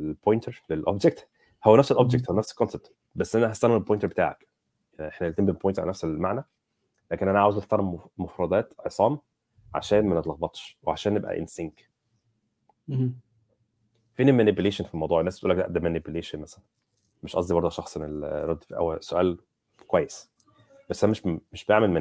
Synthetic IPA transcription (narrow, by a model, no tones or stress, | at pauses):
bojnt̪eɾlelʔo̰bd͡ʒek̚t̪ | howːænæfselʔobd͡ʒek̚t̪howænæfse̥lkonseb̚t̪ | bæsːʔænæɦæst̪ænːæelbojnt̪eɾbet̪a̰ːʕæ̰k | jʔeħnæelt̪embepːojnt̪ɾʕa̰lænæfselmaʕnæ | læːkenʔænæʕaːwezekt̪ɑɾˤmofɾˤɑd̪ˤæːt̪ʕesˤɑːm | ʕa̰ʃæːnmænet̪lɑɣbɑt̪ˤʃweʕaʃæːnːebʔæ̰ʔḛnseŋk | fenimænibjyleːʃenfilmɑwd̪uːʕenːæsb̥et̪ʔulːækd̪æʔd̪æmænibjyleːʃenmæsælæn | meʃʔɑ̰sˤd̪ibɑɾˤd̪ˤɑʃɑxsˤʔenelɾˤɑd̪ːifʔæ̰wæsoʔæ̰ːl | kwæjːes | bæsːʔænæmeʃmeʃbeʕmelmæ